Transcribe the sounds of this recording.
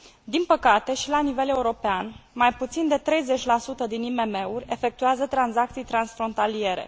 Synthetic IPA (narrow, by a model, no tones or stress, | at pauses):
d̪inpəkat̪e̞ʃilanive̞le̞uɾo̞peanmajput̪sind̪e̞t̪ɾe̞jze̞t͡ʃʲlasut̪əd̪inime̞me̞urʲe̞fe̞k̚t̪uazət̪ɾanzak̚t̪sijt̪ɾansfɾo̞nt̪alie̞ɾe̞̰